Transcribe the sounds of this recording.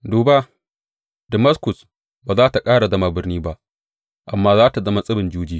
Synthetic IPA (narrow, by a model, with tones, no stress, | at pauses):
duː˨ba˦ | dɐ˨ma˦skʊ˨s | baː˨zaː˦ta˨kʼaː˦ɽa˨zɐ˦ma˨bɪ˦rniː˦ba˦ʔ | ʔa˨mːaː˦zaː˦ta˨zɐ˦ma˦sʼɪ˦bɪ˨nd͡ʒuː˦d͡ʒiː˦